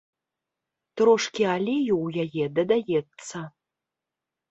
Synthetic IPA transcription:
t̪ɾɔʂkʲialʲejuwjajɛd̪ɐd̪ajɛt̪sːɐ

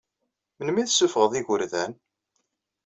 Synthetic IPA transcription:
mənmiðsːufʁəðˤiʝəɾðæn

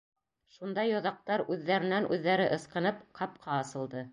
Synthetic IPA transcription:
ʃund̪ɑjŏðɑq̚t̪ɑɾʉðːæɾɘ̆nænʔʉðːæɾɘʔɤ̆sqɤ̆nɤpqʰɑp̚qʰɑɑsɤ̆lˠd̪ɤ

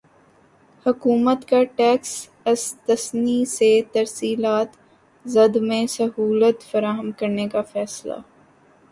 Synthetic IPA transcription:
hʊkuːmət̪kaʈɛːks | ɪst̪ɐsniset̪ɐɾsiːlaːt̪ | zɐd̪mẽsɐɦuːlət̪fɐɾaːɦəmkɐɾnekafɛːsla̰ː

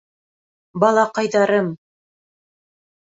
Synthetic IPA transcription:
bɑlˠɑqɑjðɑɾɤm

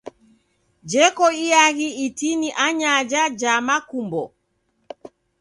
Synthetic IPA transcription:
d͡ʒɛkɔiaɣiitiniʔaɲad͡ʒad͡ʒamakumbɔ

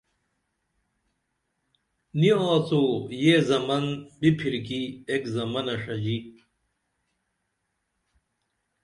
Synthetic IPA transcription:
nioːt͡sojezɐmɐnbipʰiɾkiekzɐmɐnɐʂɐd͡ʑi

